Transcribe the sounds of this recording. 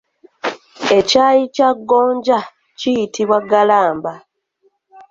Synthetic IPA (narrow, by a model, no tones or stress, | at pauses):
e̞caːjicaɡːo̞ːɲɟa | cijitiβwaɡalaːmba